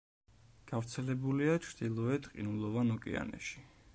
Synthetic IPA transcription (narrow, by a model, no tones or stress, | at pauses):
ɡ̥avɾt̪sʰɛlɛbuliat͡ʃʰɾd̪̥ilˠɔɛt̪qʼḭnulˠɔvanɔkʼḭa̰nɛ̰ʃi̥